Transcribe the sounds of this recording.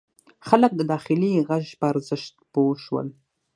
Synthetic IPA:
χalək̚d̪əd̪ɑːxɪliɣaʒpəaɾzəʃt̪̚poʃwə̰l

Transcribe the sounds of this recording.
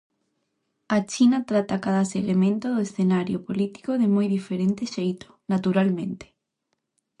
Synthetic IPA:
at͡ʃinat̪ɾat̪akaðaselemẽnt̪oðoesθenaɾjopolit̪i̥koðemojðifeɾẽnt̪eʃejt̪o̥nat̪uɾalmẽnt̪e̥

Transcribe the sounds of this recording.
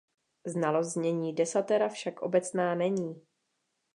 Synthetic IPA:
znalo̞zzɲɛɲiːdɛsat̪ɛɾafʃakʔo̞̰bɛt͡snaːnɛɲiː

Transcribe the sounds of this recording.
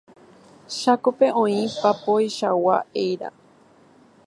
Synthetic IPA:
ʃakope̞ʔõ̞ĩpapojʃawa̰ejɾa̰

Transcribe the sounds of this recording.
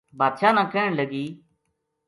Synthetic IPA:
bʱaːd̪ʃaːnãːkɛːɳləɡiː

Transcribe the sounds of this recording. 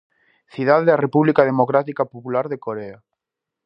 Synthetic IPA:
θiðaðeðarepuβlikað̞emokɾat̪ikapopulaɾðekoɾea

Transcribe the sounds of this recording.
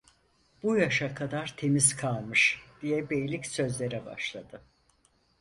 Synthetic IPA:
b̥ujaʃakʰad̪aɾt̪ʰe̞miz̥kʰalˠmɯʃd̪̥ijɛbejlʲicsø̞zlʲe̞ɾɛba̰ʃlˠad̪ɯ

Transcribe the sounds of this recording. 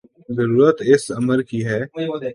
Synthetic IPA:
zəɾuːɾət̪ɪsɐməɾkiɦɛː

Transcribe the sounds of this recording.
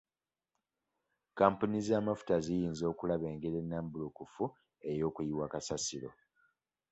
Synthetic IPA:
kaːmpunizaːmafu̥tazijiːnzo̞ːkulaβe̞ːŋɡeɾe̞nːaːmbulukufu | e̞jo̞ːkujiwaːkasasiɾo̞̰

